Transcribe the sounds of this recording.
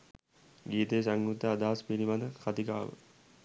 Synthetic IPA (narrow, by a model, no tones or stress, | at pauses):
ɡiːt̪ejsaŋɡut̪əːd̪aːaspiɾiʋad̪əkʰat̪ika̰ːʋə̰